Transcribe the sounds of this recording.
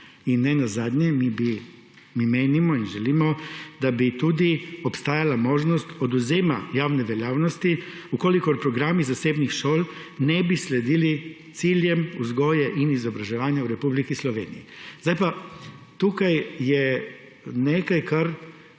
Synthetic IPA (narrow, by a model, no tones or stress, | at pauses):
inːɛnazad̪ɲɛmibi | mimeːnimɔinʒɛliːmɔd̪abit̪ud̪iopst̪aːjalamoːʒnɔst̪od̪uzeːmajaːwnɛʋeljaːwnɔst̪i | ukolikoɾpɾɔɡɾaːmizaseːbnixʃoːl | nɛbisled̪ilit̪siljɛmuzɡoːjɛʔinizɔbɾaʒɛʋaːnjauɾɛpublikislɔʋeːnijizd̪ajpat̪ukajjɛ | neːkajkaɾ